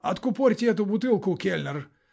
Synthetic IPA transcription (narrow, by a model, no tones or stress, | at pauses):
ɐt̪kʊporʲt̪ʲɛt̪̬ʊbʊt̪ɨlˠkʊkʲelʲnʲər